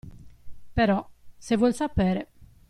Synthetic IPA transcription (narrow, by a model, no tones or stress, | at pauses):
peɾɔsevwɔlʲsapɛːɾe